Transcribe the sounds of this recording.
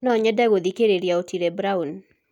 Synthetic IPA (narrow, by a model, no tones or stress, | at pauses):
nɔɲɛdaɡod̪ikeɾeɾjaotiɾebɾaun